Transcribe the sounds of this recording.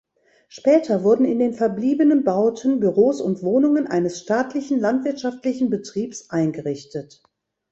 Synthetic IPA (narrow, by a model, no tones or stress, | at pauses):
ʃpɛːtʰɐvʊɐdn̩ɪndeːnfɛɐbliːbənənbaʊtʰən̩byʁoːsʊntv̥oːnʊŋənʔa̰ɪnəsʃtaːtʰlɪçn̩lantv̥ɪɐtʃaftlɪçn̩bətʁ̥iːpsʔaɪnɡəʁɪçtət